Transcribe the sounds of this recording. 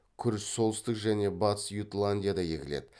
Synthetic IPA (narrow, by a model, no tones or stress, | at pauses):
kʲʰʏɾɪsso̞lˠəst̪əqʒæne̞bɑt̪ə̥sjut̪lˠanʲdʲijad̪ɑjḛkʲɪle̞̰d̪ɪ